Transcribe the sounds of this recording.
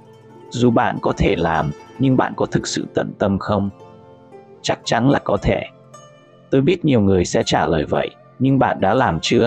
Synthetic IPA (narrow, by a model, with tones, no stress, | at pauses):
zu˨˩ɓa̰ː˧˨nkɔ˨˦t̪ʰe˧˩laː˨˩mɲɨ˧ŋɓa̰ː˧˨nkɔ˨˦t̪ʰɨ˨˩k̚sɨ̰˧˨t̪ə̰˧˨nt̪ə˧mxə˧wŋ͡m | t͡ɕa˦˥k̚t͡ɕa˨˦nla̰ː˧˨˩jkɔ˨˦t̪ʰe˧˩ | t̪o˧jɓi˦˥ət̚ɲi˨˩əwŋɨ˨˩əjsɛ̰˧˥t͡ɕaː˧˩ləː˨˩jvə̰˧˨jʔ | ɲɨ˧ŋɓa̰ː˧˨nɗa̰ː˧˥laː˨˩mt͡ɕɨ˧ə